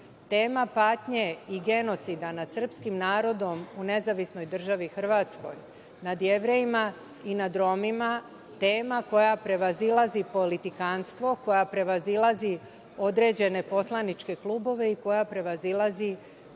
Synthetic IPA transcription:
t̪e̞ːmapaːt̪ɲe̞iɡe̞no̞t̪sid̪anad̪̥sr̩pskimnaːɾo̞d̪o̞mune̞zaʋisno̞jd̪r̩ʒaʋixr̩ʋaːt̪sko̞̰j | nad̪je̞ʋɾe̞jima | inad̪ɾo̞mima | t̪e̞ːmako̞japɾe̞ʋazilˠazipo̞lit̪ikanst̪ʋo̞ko̞japɾe̞ʋazilˠazi | o̞d̪ɾe̞ːd͡ʑe̞ne̞po̞slˠanit͡ʃke̞klˠuːbo̞ʋe̞iko̞japɾe̞ʋazilˠazi

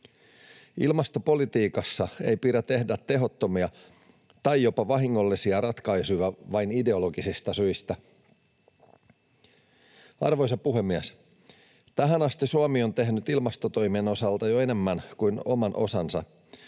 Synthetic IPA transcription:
ḭlmɑst̪o̞po̞lit̪iːkɑsːɑe̞jpiɾæt̪e̞hdæt̪ːe̞ɦo̞t̪ːo̞miɑ | t̪ɑjjopɑʋɑɦiŋːolːisiɑɾɑt̪kɑjsujʋɑʋɑjnide̞o̞lo̞ɡisist̪ɑsyist̪æ | ɑ̰rʋo̞js̬ɑpuɦe̞mːiæs | t̪æɦænɑst̪isuɑmio̞nt̪e̞ɦnyt̪ilmɑst̪o̞t̪o̞jmieno̞sɑlt̪ɑjoe̞ne̞mːænkujno̞̰mɑnʔo̞̰sɑnsɑ

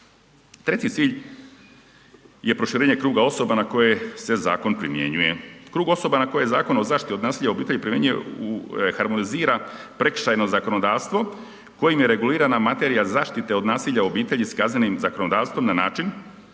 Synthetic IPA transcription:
t̪ɾe̞t͡ɕit̪siːʎ | je̞pɾo̞ʃiɾeːɲe̞kɾuːɡao̞so̞banako̞je̞se̞za̰ːko̞npɾḭmjḛɲuje̞kɾuːɡo̞so̞banako̞jezaːko̞naozaːʃt̪it̪eo̞d̪naːsiːʎaobiːt̪eʎipɾimje̞ɲujḛuxaɾmo̞niziːɾapɾe̞kʃajno̞zako̞no̞d̪aːʋst̪ʋo̞ | ko̞jimjeɾe̞ɡuliːɾanamat̪eɾijazaːʃt̪it̪e̞o̞d̪naːsiːʎao̞biːt̪e̞ʎiskaznenimzako̞nod̪aːʋst̪ʋomnana̰ːt͡ʃin

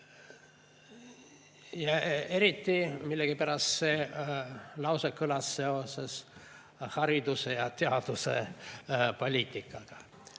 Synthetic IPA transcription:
jɑe̞ɾit̪ːimilːeɡ̥ipæɾɑst̪se | lɑwsekːɯlɑsːe̞o̞ses | hɑɾid̪̥usejɑt̪eɑd̪̥use | po̞lʲiːt̪ːikːˑɑɡ̥ɑ̥

